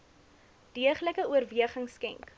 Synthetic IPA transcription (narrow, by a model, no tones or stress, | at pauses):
d̥iəχləkəuərviəχəŋskɛ̰ŋk